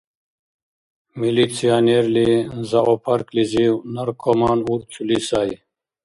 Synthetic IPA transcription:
milit͡sʰijaːneɾlizɐopʰɐɾkliziwnɐɾkʰomaːnuɾt͡sʰulisaːj

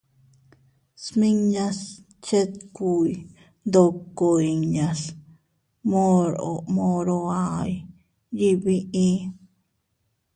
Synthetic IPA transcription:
smiŋɲas | t͡ʃet̪̚kuj̪ | d̪okːoiŋɲas | moɾo̰moɾoaj | jiβiʔĩ

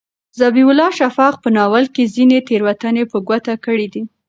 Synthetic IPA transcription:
zabiʊlɑʃafɑqpənɑwalkezinet̪eɾwat̪anepəɡwat̪akəɽid̪i

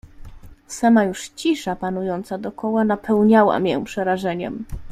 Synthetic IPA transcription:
samajuʂt͡ɕiʂapanujɔnt̪sad̪ɔkɔwanapʰɛwɲawa̰mjɛ̰pʂɛɾaʐɛɲɛm

